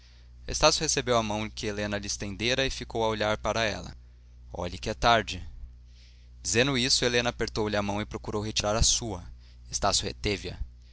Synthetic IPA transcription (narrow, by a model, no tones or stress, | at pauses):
ḛst̪asjʊhesebewɐmɐ̃w̃kɪelẽnɐʎɪst̪ẽnd̪eɾɐɪfikowɐoʎaɾpaɾɐɛlɐ̰ | ɔ̰ʎɐkɪɛt̪aɾd͡ʒɪ | d͡ʒizẽnd̪ʊisʊelẽnɐapeɾt̪owlɪɐmɐ̃w̃ɪpɾokuɾowɦet͡ʃiɾaɾɐsuɐ | est̪asjʊhḛt̪evɪɐ̰